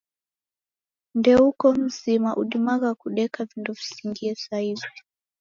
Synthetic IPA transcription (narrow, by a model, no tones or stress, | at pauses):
ndɛukɔm̩zimaʔuɗimaɣakuɗɛkavindɔvi̥siŋɡiɛsaivi